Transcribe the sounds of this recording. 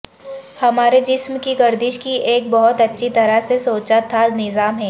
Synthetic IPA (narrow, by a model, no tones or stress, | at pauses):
hɐmaːɾed͡ʒɪsmkiɡɐɾd̪ɪʃkiʔeːk̚bɐɦʊt̪ɐtːʃʰit̪ɐɾəsesoːt͡ʃat̪ʰanɪzaːmɦɛː